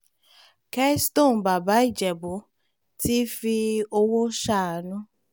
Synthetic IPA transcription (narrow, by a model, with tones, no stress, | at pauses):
kɛ˦sto˦˨n˨ba˨ba˨˦i˦˨d͡ʒɛ˨bo˨˦ | ti˦fi˧o˧wo˦ʃa˦˨nũ˦